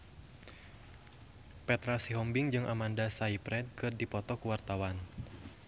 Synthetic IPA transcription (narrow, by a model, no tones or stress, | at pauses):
pɛt̪ɾasiɦɔmbiŋd͡ʒɨŋʔa̰mandasaipɾɛt̪̚kɨrdipɔt̪ɔkuwart̪awan